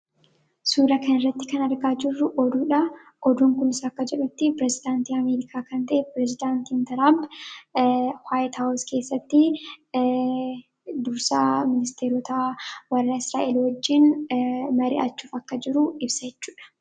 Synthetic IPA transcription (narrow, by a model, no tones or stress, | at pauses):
suːɾɐkɐnɪrːɐt̪ːɪkɐnɐɾɡaːd͡ʒɪrːʊʔɔd̪uːᶑɐ | ʔɔd̪uːŋkʊnɪsɐɐkːɐd͡ʒɛᶑʊt̪ːɪpɪɾɛzɪd̪aːnt̪iːɐmeːɾɪkʰaːkɐnt̪ɐʔɛpɪɾɛzɪd̪aːnt̪iːnt̪ɐɾab | waːjt̪hawʊske̞ːsːɐt̪ːɪ | d̪ʊɾsaːmɪnɪst̪eːɾɔt̪awɐrːɐɪsɾaːʔelwɔd͡ʒːɪnmɐɾɪ̰ʔɐt͡ʃːuːfɐkːɐd͡ʒɪɾʊɪbsɐd͡ʒɛt͡ʃːuːᶑɐ̥